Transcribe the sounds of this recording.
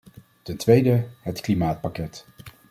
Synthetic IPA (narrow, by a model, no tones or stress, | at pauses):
tɛntʋejdəɦətklimaːt̚pakɛt